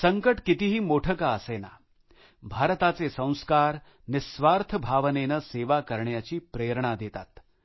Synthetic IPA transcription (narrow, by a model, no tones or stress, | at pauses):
səŋkəʈkit̪iɦiːmoʈʰəkaəsena | bʱaɾət̪at͡sesə̃w̃skaɾ | nisʋaɾt̪ʰəbʱaʋənenəseʋakəɾɳjat͡ɕiːpɾejɾɳad̪et̪a̰t̪